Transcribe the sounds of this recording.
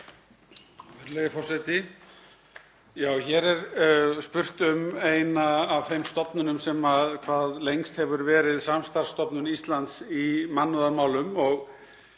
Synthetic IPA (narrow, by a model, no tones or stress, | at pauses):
vɛɾleðɪfɔrsat̪ɪ | jaːwçɛɾɛɾspʏr̥t̪ʏmejnaːvθejmst̪ɔpnʏnʏmsɛmaðkʰvaːðlejŋst̪hɛvʏɾvɛːɾɪðsamst̪ar̥st̪ɔpnʏnist̪lant̪simanːʏðaɾmaːwlʏmɔɣ